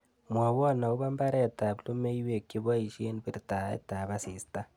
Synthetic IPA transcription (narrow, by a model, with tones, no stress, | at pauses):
mwa˨wɔ˦na˨u˦βa˦mba˦ɾe˦˨ta˨blu˦me˦iwe˨ki˦βa˦i˨ʃe˦nibi˨ɾita˨ḛ˦ta˨βa˦si˨sta˦